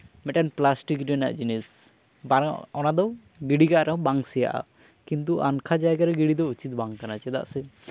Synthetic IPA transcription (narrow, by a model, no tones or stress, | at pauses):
mɛʈanplasʈikɾɛna̰ʔd͡ʒinis | baɔnad̪ɔ | ɡiɽikaʔɾɛ̃baŋsɛja̰ʔa̰ | kint̪̬uʔankʰad͡ʒajɡaɾɛɡiɽid̪ɔut͡ʃit̪̚baŋkanat͡ʃɛd̪a̰ʔsɛ